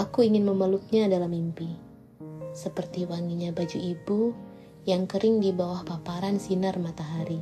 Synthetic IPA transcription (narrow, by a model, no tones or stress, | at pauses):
ʔakuiŋɪnməməluk̪̚ɲadalamimpi | səpərt̪iwaŋiɲabad͡ʒuibu | jaŋkəɾɪŋdibawahpapaɾansinərmat̪aɦaɾi